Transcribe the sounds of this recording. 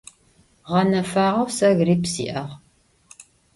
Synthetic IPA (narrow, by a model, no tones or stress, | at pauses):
ʁɐnɐfaːʁɐwsɐɣriːpsḭːʔɐʁ